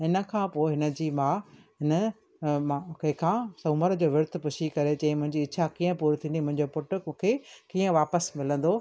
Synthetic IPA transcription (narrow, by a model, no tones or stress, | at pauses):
ɦɪnə̆kʰãːpoːɦɪnə̆d͡ʑiːmãː | ɦɪnə | mãkɐɪ̃kʰãːsɐ̃ːməɾd͡ʑoːʋɪɾt̪̆ʰpʊʃʰikɐɾet͡ɕɐ̃ĩmʊ̃ɦɪ̃ɲd͡ʑiːɪt͡ɕʰakiːə̃puːɾt̪ʰĩnd̪imʊ̃ɦɪ̃ɲd͡ʑopʊʈʊ̆̃kʰeːkiːə̃ʋaːpəsmɪlə̃n̆d̪oː